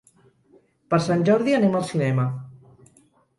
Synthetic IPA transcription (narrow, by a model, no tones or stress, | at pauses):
pəɾsanʲʒɔɾðianemalˠsinɛmə